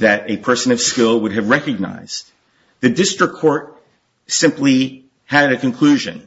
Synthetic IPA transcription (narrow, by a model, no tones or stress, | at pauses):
ðɨɾɨpʰɜ˞sɨ̃nʌv̥skɪlˠwʊɾ̚ɨvɹɛkɨɡ̚na̰ɪz̥ | ðɨdɪstɹ̥əkʰːɔɹt̚ | sɪ̃mpli | ɨɾɨkɨ̃n̩kʰl̥ʉʒɨ̰̃n